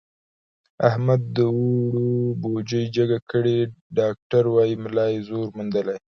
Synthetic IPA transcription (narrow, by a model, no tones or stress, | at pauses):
ahmad̪ːəwoɽobod͡ʒəjd͡ʒəɡakəɽeɖɑk̚ʈaɾwɑjimlɑjzoɾmund̪əlaj